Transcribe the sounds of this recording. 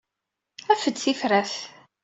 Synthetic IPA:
æfəd̪θifɾæθ

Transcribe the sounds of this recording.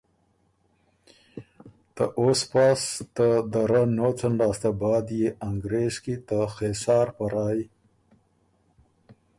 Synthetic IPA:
t̪aʔoːspast̪əd̪əɾanot͡sanɖɑːst̪abɑːd̪jeaŋɡɾeːzkit̪əxesɑːɾpaɾɑːji

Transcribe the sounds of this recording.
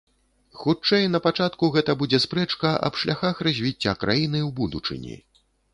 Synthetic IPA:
xut͡ʂɛjnɐpat͡ʂat̪kuɣɛt̪ɐbud͡zʲɛspɾɛt͡ʂkɐʔɐ̰pʂlʲʔaxaxrɐzʲvʲit͡sʲːakɾʔajinɨwbud̪ut͡ʂɨ̰nʲḭ

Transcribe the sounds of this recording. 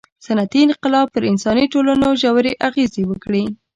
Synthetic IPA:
sanat̪iɪnqɪlɑb̚pəɾɪnsɑniʈolanoʒawɾeʔaɣezewəkɽi

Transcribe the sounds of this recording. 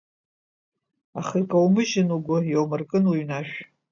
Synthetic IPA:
aχikʼawmɨʒɪnuɡʷʊjowmɨrkʼɨnuɥnaʃᶣ

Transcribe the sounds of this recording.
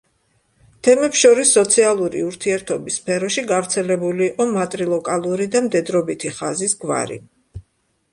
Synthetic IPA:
t̪ʰɛmɛpsʃɔɾisːɔt̪sʰialˠuɾḭuɾt̪ʰiɛɾt̪ʰɔbisːpʰɛɾɔʃiɡavɾt̪sʰɛlɛbuliːqʼɔmat̪ʼɾilˠɔkʼalˠuɾid̪amd̪ɛd̪ɾɔbit̪ʰiχazisɡva̰ɾḭ

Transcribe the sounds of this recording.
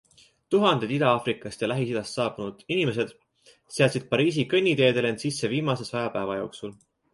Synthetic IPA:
t̪uɦɑnd̪̥ed̪id̪̥ɑɑːfrikːˑɑst̪jɑlæɦisid̪ɑst̪sɑːbunud̪̥inime̞s̬e̞d̪̥ | seɑsʲid̪̥̚pɑɾiːs̬ikɤnʲːit̪e̞ːd̪e̞le̞nsisːe̞viːmɑse̞sɑjɑpæevɑjo̞ːksul

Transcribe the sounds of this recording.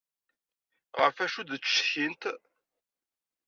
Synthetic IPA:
ʁəɾfæʃuðt͡sːʃçint̪

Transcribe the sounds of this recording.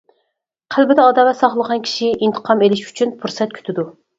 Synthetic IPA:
qʰælbɪd̪ɛɑd̪ɑːlɛt̪sɑχlˠəʁɑnkʲʰi̥ʃiint̪ʰə̥qʰɑmelɪʃy̥t͡ʃʰynpʰuɾsɛt̪̚kʲʰy̥t̪ʰɪd̪u

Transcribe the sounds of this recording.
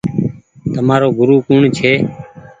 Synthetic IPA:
t̪əmaːɾoːɡʱʊɾuːkuːɳt͡ʃʰeː

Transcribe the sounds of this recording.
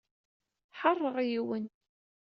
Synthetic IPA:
ħɑrˤːəʁjiwən

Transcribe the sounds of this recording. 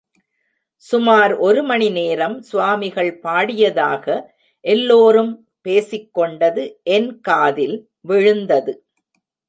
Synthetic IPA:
sʊmaːɾʔɔɾɯmɐnɪneːɾɐmsʊʋaːmɪɣɐɭpaːɽɪjɐðaːɣɐ | ʔɛlːoːɾɯm | peːsɪkːɔɳɖɐðɯʔɛnkaːðɪl | ʋɪɻɯnd̪ɐðɯ

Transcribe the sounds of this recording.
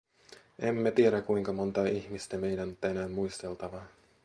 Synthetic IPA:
e̞mːæt̪ieɾækuiŋkɑmo̞nt̪ɑːiçmist̪æme̞jdænot̪ːæenæːmːujst̪e̞lt̪ɑʋɑ

